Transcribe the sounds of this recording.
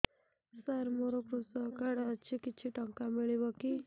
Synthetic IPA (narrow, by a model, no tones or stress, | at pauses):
səɾmoɾopɾusɔkaɽat͡ʃʰikit͡ʃʰiʈəŋkamiɭibɔki